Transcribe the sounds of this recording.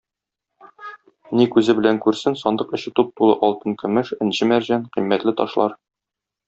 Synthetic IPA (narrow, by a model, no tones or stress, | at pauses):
nikʉzɘbɘ̆læŋkʉɾsɘnsɒnd̪ɤqɤ̆ɕɘ̆t̪up̚t̪ulˠɤ̰ʔɒlˠt̪ɤŋkɵ̆mɘʃɘ̆nɕɘmæɾʑænqĭmːæt̪lɘt̪ɒ̰ʃlˠɑɾ